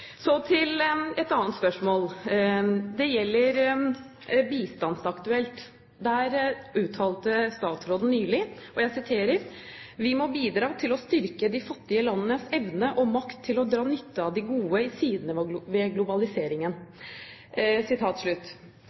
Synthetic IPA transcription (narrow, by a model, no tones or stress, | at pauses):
sɔt̪ʰɪlɛt̪ɑːnt̪spœʂmoːl | d̪ɛjɛlːəɾ | biːst̪ɑnsɑkt̪ʉɛlt̪ | d̪æɾʉːt̪ʰɑːlt̪əst̪ɑːt̪sɾoːd̪n̩nyːlɪɔjæɪsɪt̪ʰeːɾəɾʋɪmɔbiːd̪ɾɑːt̪ʰɪlɔst̪ʏɾkəd̪ɪfɑt̪ːɪəlɑnːənəsɛʋnəəʔɔmɑkt̪ʰːɪlɔd̪ɾɑːnʏt̪ːəɑd̪ɪɡuːəɪsiːd̪nəʋɛɡlʊbɑlɪseːɾɪŋən | sɪt̪ʰɑːt̪ʂɭʉt̪ː